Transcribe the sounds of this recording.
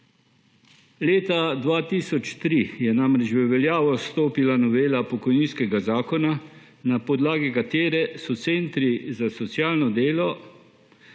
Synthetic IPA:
leːt̪ad̪ʋaːt̪iːsɔt͡ʃt̪ɾijɛnamɾɛt͡ʃʋəʋɛljaːʋɔst̪oːpilanɔʋeːlapɔkɔjniːnskɛɡazaːkɔna | napɔd̪laːɡɛkat̪eːɾɛsɔt̪seːnt̪ɾizasɔt̪sjaːlnɔd̪eːlɔ

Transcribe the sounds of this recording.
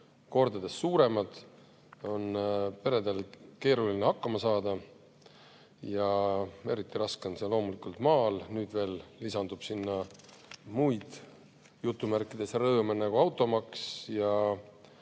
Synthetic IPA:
ko̞rd̪ɑd̪̥e̞sːuːɾe̞mɑd̪̥ | o̞npe̞ɾe̞d̪̥elke̞ːɾulinehɑkːɑmɑsɑːd̪ɑ | jɑe̞̰ɾit̪ˑːiɾɑskenselo̞ːmulikult̪mɑːlnyːd̪̥ve̞ːlːisɑnd̪̥ub̥sinːɑ | mujd̪̥ | jut̪ːumærkːˑid̪̥e̞srɤːmenæɡuɑwt̪ːˑo̞mɑksjɑ

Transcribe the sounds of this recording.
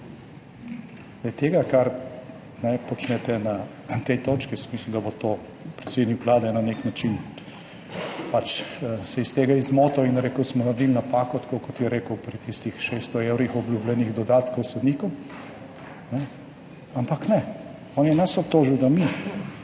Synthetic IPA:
ɛjt̪eːɡakaɾ | nɛpɔt͡ʃnɛt̪ɛna | t̪ɛjt̪oːt͡ʃkismislud̪abot̪oː | pɾɛtseːd̪nikʋlaːd̪ɛnaneknat͡ʃin | pat͡ʃsɛist̪eːɡaizmɔːt̪ɔinɾeːkəsmɔnaɾd̪ilnapaːkɔt̪ḁkokɔt̪jɛɾeːkəwpɾit̪ist̪ixʃeːst̪ɔewɾixɔblʲjublʲɛniɣd̪ɔd̪aːt̪kɔwsɔd̪nikɔ | nɛ | ampaknɛ | ɔːnjɛnasɔp̚t̪oːʒiwd̪ami

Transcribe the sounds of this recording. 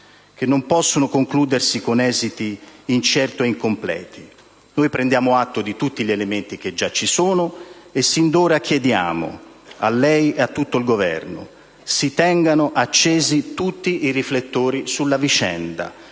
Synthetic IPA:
k̟enːompɔsːonokoŋkluːd̪ersikonɛːzit̪iːnt͡ʃɛrt̪oeiŋkomplɛ̰ːt̪ʰi | noːjpɾɛnd̪jaːmoat̪ːod̪it̪ut̪ːiʎelement̪ik̟ed͡ʒːat͡ʃːisoːnoesːind̪oːɾak̟jed̪ja̰ːmo̰ | alːɛjeat̪ːut̪ːoilɡovɛ̰rno̰ | sit̪ɛŋɡanoʔat͡ʃːeːzit̪ut̪ːiiriflet̪ːoːɾisulːavit͡ʃɛ̰nd̪a̰

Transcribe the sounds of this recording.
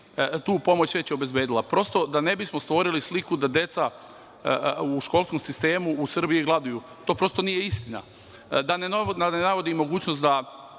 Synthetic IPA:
t̪uːpo̞mo̞t͡ɕʋe̞t͡ɕjeo̞be̞zbe̞ːd̪ilˠapɾo̞st̪o̞d̪ane̞bismost̪ʋo̞ɾilislikud̪ad̪je̞t̪sa | uːʃko̞ːlˠsko̞msist̪e̞ːmuːsr̩biiɡlˠad̪uju | t̪oːpɾo̞st̪onije̞ist̪ina̰ | d̪ananenaʋo̞d̪imo̞ɡuːt͡ɕnost̪d̪a

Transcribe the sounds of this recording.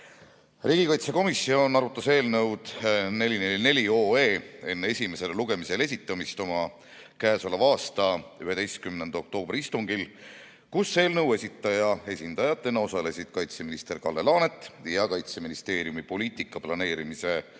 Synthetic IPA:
riːɡ̥ikɑjt̪se̞ko̞misːio̞nɑɾut̪ːˑɑse̞ːlnɤwd̪̥ne̞lʲineline̞lʲio̞ːe̞ːe̞nːee̞sʲime̞se̞lluɡ̥e̞mise̞le̞s̬ʲit̪ːˑɑmist̪o̞mɑ | kæːso̞levɑːst̪ɑyɦe̞d̪̥e̞jst̪̚kymnend̪o̞k̚t̪o̞ːb̥rʲiist̪uŋɡil | kusːe̞ːlnɤ̞we̞sit̪ːˑɑjɑe̞sʲind̪ɑjɑt̪ːˑenːɑo̞sɑle̞sid̪̥kɑjt̪se̞minist̪e̞rkɑlːe̞lɑːne̞t̪ːˑjɑkɑjt̪se̞minist̪e̞ːɾijumipo̞liːt̪ˑikːˑɑplɑne̞ːɾimise̞

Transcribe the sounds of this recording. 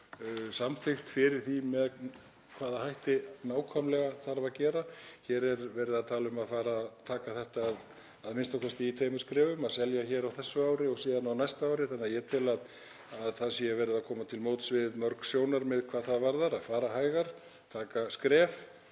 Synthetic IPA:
samfɪxt̪fɪɾɪɾ̥θimɛð | kʰv̥aːðahajht̪ɪnaːwkʰɔmlɛɣaθaɾvaðcɛːɾaçɛːɾɛɾvɛɾɪðaðt̪ʰaːlʏmaðfaːɾat̪ʰaːkaθɛht̪aːð | aðmɪnst̪awkʰɛst̪ɪit̪ʰvejmʏskɾɛːvʏmasɛljaçɛːɾawθɛsːʏawɾɪɔsiːðanawnajst̪aaːwɾɪθanːɪaðjɛt̪ʰɪlað | aðθaðsiavɛɾɪðakʰɔːmat̪ʰɪlmoːwt̪svɪðmœɾksjoːwnaɾmɪðkʰvaːðθaðvaɾðaɾaðfaːɾaɦaːjɣaɾ̥ | t̪ʰaːkaskɾɛːf

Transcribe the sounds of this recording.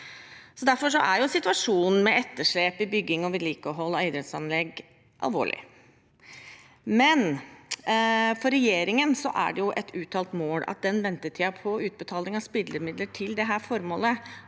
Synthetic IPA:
sɔd̪æɾfɔʂɔ̰ʔæɾjʊsɪt̪ʉɑʂuːnn̩mɛɛt̪ːəʂɭeːpɪbʏɡːɪŋɔʋɪliːkəɦɔlːɔeɪd̪ɾɛt̪sɑnlɛɡ | ʔɑ̰lʋo̰ːɭɪ̰ | mɛn | fɔɾːɛjeːɾɪŋənsɔʔæ̰ɖɛjʊʔɛt̪ʰʉːt̪ʰɑːlt̪moːlɑ̰t̪̚d̪ɛnʋɛnt̪əʈʰɪɑpʰɔʉːt̪̚bət̪ʰɑːlɪŋɑspɪd̪ləmɪd̪ləʈʰɪld̪ɛɦæːɾfɔɾmoːlə

